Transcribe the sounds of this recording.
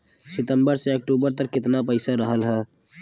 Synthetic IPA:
sɪt̪ə̃mbəɾseək̚ʈuːbəɾt̪əkːɪt̪napəɪsaɾəɦəlɦɛː

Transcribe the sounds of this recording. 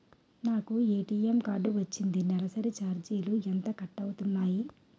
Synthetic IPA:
naːkueːʈiːemkaːɾɖuʋɐt͡ʃːind̪inɛlɐsɐɾit͡ʃaːɾd͡ʒiːluɛnt̪ɐkɐʈːɐwut̪unːaːji

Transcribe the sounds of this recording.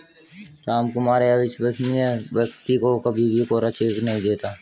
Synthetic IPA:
ɾaːmkʊmaːɾeɐʋɪʃʋəsnijəʋjək̚t̪ikokəbʱibʱikoɾət͡ʃeːknɐɦĩd̪eːt̪aː

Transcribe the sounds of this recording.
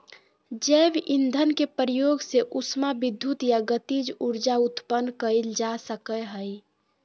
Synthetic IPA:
d͡ʒɛbind̪ʱənkepɾijoɡseʔusmabid̪ʱːut̪jaɡət̪id͡ʒuɾd͡ʒaut̪pənːkəild͡ʒasəkəɦəj

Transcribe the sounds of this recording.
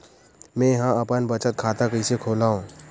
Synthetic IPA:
mɛ̃ɦãɐpənbət͡ʃət̪̚kʰaːt̪akəɪsekʰoːlaːõː

